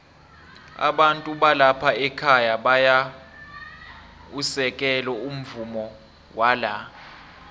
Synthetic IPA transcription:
a̰ɓantʼuɓalapʰaɛkʰajaɓaja | usɛkʼɛlɔum̩vumɔ | wala

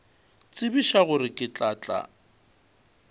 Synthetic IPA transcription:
t͡sʼɪbiʃaɣʊɾɪkʼɪt͡ɬʼaːt͡ɬʼa̰

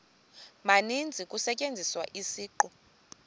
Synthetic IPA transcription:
manind͡zʱikʼusɛcʼend͡zʱiswa̰ʔisiːǃɔ

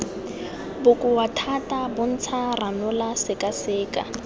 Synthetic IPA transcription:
bʊkʼʊwatʰatʼabʊn̩t͡sʰaranʊlasɪkʼasɪːkʼa̰

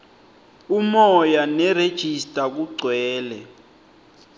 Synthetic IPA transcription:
umɔjanɛred̥ʒ̥ʱistʼak̬uɡ͡ǀʱwɛːlɛ

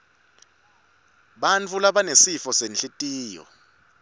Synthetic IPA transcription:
ɓant͡fʰulaɓanesifɔsenɬʼitʼiːjɔ̰

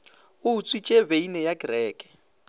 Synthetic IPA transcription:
ʊut͡sʰʼwit͡ʃʼebeinɛjaɡrɛːkʼɛ̥

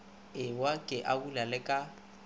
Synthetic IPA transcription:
ɪwakʼɪʔaulalɪkʼa

